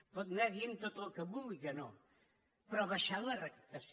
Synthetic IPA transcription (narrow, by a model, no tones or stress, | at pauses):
pɔt̪nɛðient̪ot̪əlˠkəβulɣəno | pɾɔβəʃalˠərəkəp̚t̪əs